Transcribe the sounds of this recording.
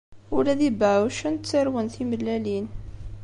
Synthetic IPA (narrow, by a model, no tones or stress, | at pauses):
ʊlæðibʕwʃənt͡sːəɾwənθiməlːælin